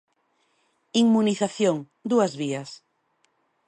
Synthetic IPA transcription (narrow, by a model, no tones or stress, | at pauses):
iŋmuniθaθjoŋ | d̪uazβias